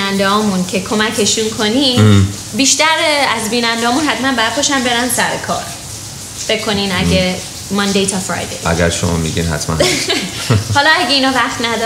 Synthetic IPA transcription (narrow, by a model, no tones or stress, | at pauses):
ænd̪ehɒːmuncʰe̞kʰo̞mæcʰe̞ʃunkʰo̞niːm | biːʃt̪æɾeæzbiːnænd̪eɒːmunɦæt̪mænbæjæɾpʰoʃænbe̞ɾænsæɾekʰɒ̰ːɾ | fe̞kʰːo̞ninæɡe | mɒnd̪ejt̪ʰɒfɾɒ̰jd̪ejʔæ̰ɡæɾʃo̰mɒ̰mḭɟḭnɦæ̰t̪ʰmæ̰n | hɒlɒæɡe̞inɒːvæχt̪næd̪ɒ